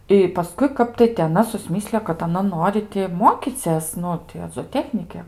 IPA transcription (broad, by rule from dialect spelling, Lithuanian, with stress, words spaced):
ɪ pɐˈskʊɪ ˈkɐp tɐɪ tʲɪ ɐˈnɐ sʊsʲˈmʲɪsʲlʲɪjoː kɐt ɐˈnɐ ˈnoːrʲɪ tʲɪ ˈmoːkʲiːt͡sʲeːs ˈnʊ tʲɪ ɐ zoːˈtʲæːxʲnʲɪkʲɛ